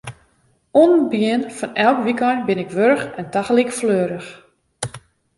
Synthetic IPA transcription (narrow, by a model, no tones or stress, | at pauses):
unbjɪənfɔnɛlˠkʋikɔjnbɪnɪkʋørxɛntaxəlikfløːɾəx